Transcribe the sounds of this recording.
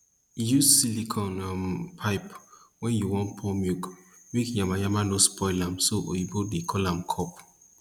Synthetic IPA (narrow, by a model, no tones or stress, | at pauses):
jussilikʰɔ̃nampʰaɪpwɛ̃njuwɔ̃npʰɔmjukmekjamajamanospʰɔɪlãmsoʔjibodekʰɔlãmkʰɔp